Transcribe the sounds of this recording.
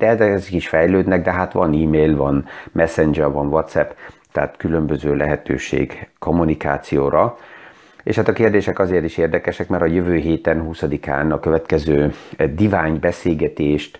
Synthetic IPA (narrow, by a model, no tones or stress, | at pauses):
d̪̥ɛɛzɛɛzɛkiʃfɛjløːd̪nɛɡ̚d̪ɛɦaːt̪ʋɒniːmeːlvɒnmɛsɛnd͡ʒɛrvɒnvɒt̪sɛpt̪ɛɦat̪kylø̞mbøzøːlɛɦɛt̪ø̰ːʃḛːɡko̞mːunika̰ːt̪sijoːɾʔɒ | ḛːʃhaːt̪ɒkeːrd̪eːʃɛkɒzeːrt̪iʃeːrd̪ɛkɛʃɛkmɛɾɒjøvøːɦeːt̪ɛnhuːsɒd̪ika̰ːnɒkøvɛt̪kɛzøːd̪ivaːɲbɛseːlɡɛt̪eːʃt̪